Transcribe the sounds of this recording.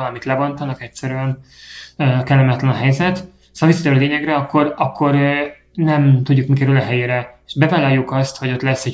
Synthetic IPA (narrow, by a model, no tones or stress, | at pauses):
ɒlɒmit̪lɛbont̪ɒnɒkɛcsɛɾyɛn | økɛlːɛmɛt̪lɛnɒɦɛjzɛt̪ | soɒvisːɒt̪ɛlːleːɲɛɡrɛɒkːo̞rɒkʰːo̞ɾ | nɛmt̪uɟːukmikɛɾylɒɦɛjeːɾɛe̥ʃbɛvaːlaːjːukɒst̪ho̞ɟo̞t̪lɛsːɛ